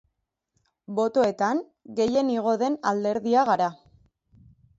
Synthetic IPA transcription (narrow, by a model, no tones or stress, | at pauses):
bo̞t̪o̞e̞t̪aŋ | ɡe̞je̞niɣ̞o̞ðe̞nald̪e̞ɾðiaɣaɾa